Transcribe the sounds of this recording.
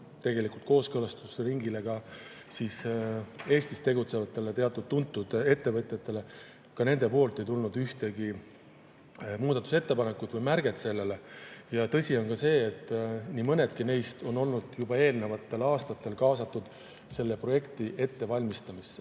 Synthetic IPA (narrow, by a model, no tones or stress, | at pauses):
t̪e̞ɡe̞likult̪ko̞ːskɤlɑst̪usɾiŋɡile̞ɡ̥ɑ | siːs | e̞ːst̪ist̪e̞ɡut̪se̞vɑt̪ːe̞let̪e̞ɑt̪ːˑud̪̥̚t̪ːunt̪ːˑud̪̥e̞t̪ːe̞vɤ̞t̪ʲˑjɑt̪ːe̞le̞ | kɑne̞nd̪̥e̞po̞ːlt̪ˑːe̞jt̪ulnud̪yht̪e̞ɡi | muːd̪ɑt̪ːˑuse̞t̪ːe̞pɑne̞kud̪vɤjmærɡ̥e̞t̪se̞lːe̞le̞jɑt̪ɤ̞sʲio̞nkɑse̞ːt̪ːˑniːmɤne̞d̪̥kine̞jst̪o̞no̞lnud̪̥jub̥ɑe̞ːlne̞vɑt̪ːˑe̞lɑːst̪ɑt̪ːˑe̞lkɑːsɑt̪ˑːud̪̥ | se̞lːe̞pro̞je̞kt̪iʔe̞t̪ːe̞vɑlʲmist̪ɑmisːe